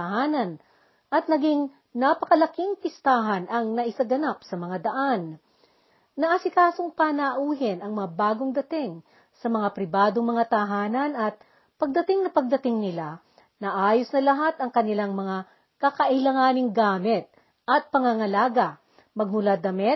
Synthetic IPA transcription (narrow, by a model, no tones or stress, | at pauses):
t̪ɐhaːnɐn | ʔɐt̪̚nɐɡiŋ | nɐpɐkɐlɐkɪŋpɪst̪aːɦɐnʔɐŋnɐʔɪsaɡɐnapsɐmɐŋad̪ɐʔan | ɐʔasɪkaːsoŋpanaʔuːɦɪnɐŋmɐŋabaːɡoŋd̪ɐt̪ɪŋ | sɐmɐŋapɾɪbaːd̪oŋmɐŋat̪ɐɦaːnɐnɐt̪̚ | pɐɡ̚d̪ɐt̪ɪŋnɐpɐɡ̚d̪ɐt̪ɪŋnɪla | nɐʔaːjosnɐlɐɦat̪ɐŋkɐnɪlaŋmɐŋa | kɐkɐʔɪlɐŋaːnɪŋɡaːmɪt̪̚ | ʔɐt̪̚pɐŋaŋɐlaːɡɐ | mɐɡ̚mʊlad̪ɐmɛt̪